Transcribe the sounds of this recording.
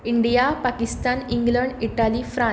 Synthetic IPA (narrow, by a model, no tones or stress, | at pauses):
iɳɖijapakist̪aniŋɡləɳɖiʈalifɾã